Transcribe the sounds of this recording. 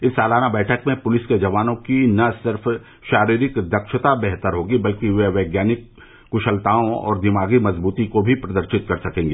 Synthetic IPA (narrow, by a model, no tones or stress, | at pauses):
ɪsːaːlaːnabɛːʈʰəkmẽpʊlɪsked͡ʒɐʋaːnõkinɐsɪɾf | ʃaːɾiːɾɪkd̪ɐkʃət̪abɛɦt̪əɾɦoːɡibɐlkiʋeʋɛːɡjaːnɪkː | ʊʃəlt̪aːõɔ̰ːɾd̪ɪmaːɡimɐzbuːt̪ikobʱipɾɐd̪əɾʃɪt̪̚kɐɾsɐkẽːŋɡeː